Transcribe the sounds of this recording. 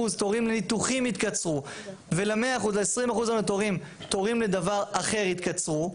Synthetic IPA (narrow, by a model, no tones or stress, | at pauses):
uzt̪oʁimlenit̪uχimit̪kat͡sʁu | veleme̞aːχuzleesʁimaχuzamet̪oʁim | t̪o̞ʁimled̪avaʁaχe̞ʁit̪kat͡sʁu